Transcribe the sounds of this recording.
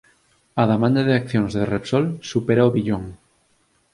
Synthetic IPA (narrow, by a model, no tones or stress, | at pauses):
aðemãnd̪aðeak̚θjõnzðerepsolsupeɾaoβiʎõŋ